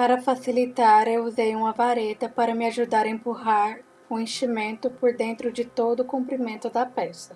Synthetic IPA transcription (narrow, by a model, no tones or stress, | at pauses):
paɾɐfasilit̪aɾewuzejũmɐvaɾet̪ɐpaɾɐmɪaʒud̪aɾɐẽpuɦaɾ | ũẽʃimẽnt̪ʊpoɾd̪ẽnt̪ɾʊd͡ʒɪt̪od̪ʊkũmpɾimẽnt̪ʊd̪ɐpɛsɐ